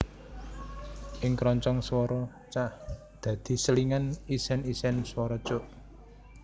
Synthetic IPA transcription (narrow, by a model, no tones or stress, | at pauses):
ʔɪŋkɾɔɲt͡ʃɔŋswɔɾɔ | t͡ʃah | d̪̥ä̤d̪̥i̤səliŋanisɛnisɛnswɔɾɔ̥t͡ʃoʔ